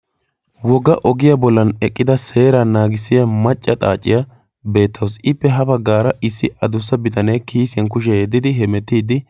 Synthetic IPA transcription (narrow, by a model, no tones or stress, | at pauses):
wɔɡɐʔɔɡɪjabɔlːɐnɛkʼːɪd̪ɐse̞ːɾɐnaːɡɪsɪjɐmɐt͡ʃʼːɐt̪ʼa̰ːt͡ʃʼːɪ̰jɐ | be̞ːt̪ːɐwsɪpːɛɦɐbɐɡaːɾɐʔɪsːɪɐd̪ʊs̬ːɐbɪt̪ʼɐnejkiːsɐnk̬ʊʃ̬ɛɛd̪ːɪd̪ɪɦɛmɛt̪ːiːd̪ɪ